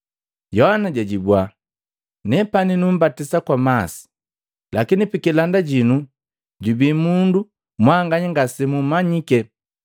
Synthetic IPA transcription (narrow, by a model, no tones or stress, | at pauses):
jɔhanaɟaɟibwa | nɛpaninum̩batisakwamasi̥ | lakinipikilandaɟinu | ɟubimundu | mwaŋɡaɲiŋɡasɛmumaɲikɛ